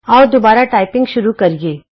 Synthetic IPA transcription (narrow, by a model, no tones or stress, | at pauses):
ɔːɾd̪obaːɾaʈaːɪpɪ̃ŋɡʃʊɾukɐɾieː